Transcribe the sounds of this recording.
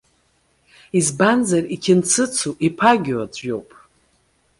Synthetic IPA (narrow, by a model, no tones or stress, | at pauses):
izbanzarikʲʰɪnt͡sʰɨt͡sʰuʔipʰaɡʲwad͡zʷo̞̰wpʼ